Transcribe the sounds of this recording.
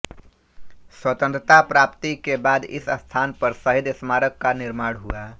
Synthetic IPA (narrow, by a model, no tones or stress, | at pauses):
swət̪ə̃nt̪ɾət̪apɾapt̪ikebad̪ɪ̰səst̪ʰaːnpəɾsəɦid̪əsmaːɾəkːanɪɾmaːɽɦua